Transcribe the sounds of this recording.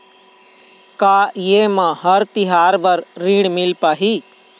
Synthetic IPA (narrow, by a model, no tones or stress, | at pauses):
kaːjeːmãɦəɾt̪ɪɦaːɾbəɾːiːɽmɪlpaːɦi